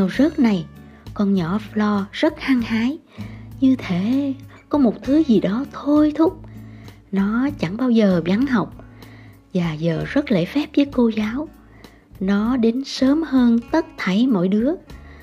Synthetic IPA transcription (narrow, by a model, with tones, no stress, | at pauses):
ɲa˨˩wzə˦˥k̚na˨˩j | kɔ˧nɲɔ˧˥lɔ˧z̥ə˦˥t̚haː˧ŋhaː˨˦j | ɲɨ˧t̪ʰe˧˩˨ | kɔ˨˦mo˨˩t̚t̪ʰɨ˨˦zi˨˩ɗɔ˨˦t̪ʰo˧jt̪ʰʊ˦˥k͡p̚ | nɔ˨˦t͡ɕa˧˩ŋɓaː˧wzəː˨˩ɓa˨˦ŋɦa˨˩wk͡p̚ | vaː˨˩zəː˨˩zə˦˥t̚lḛ˧˥fɛ˦˥p̚vəː˨˦jko˧zaː˨˦w | nɔ˨˦ɗe˨˦nsəː˨˦mhəː˧nt̪ə˦˥t̚t̪ʰa˧˩jmɔ̰˧˨jɗɨ˨˦ə